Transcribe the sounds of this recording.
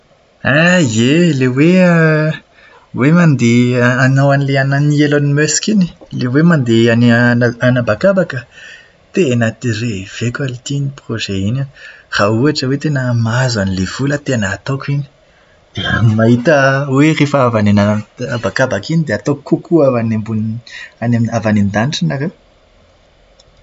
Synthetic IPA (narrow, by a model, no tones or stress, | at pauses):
azelewe | wemand̪eanawanileananielanimøsi̥kini̥lewemand̪eanianabakabakə | t̪enət̪irev̥ekalit̪iniproʒeinar̥auaʈ͡ʂəwet̪enəmazanilev̥ulət̪enəːt̪okini̥ | d̪̥eəmaɦit̪əwerefəavanenaabakabakinid̪eat̪okːukʰuavanembunanemavanend̪aniʈ͡ʂanaɾew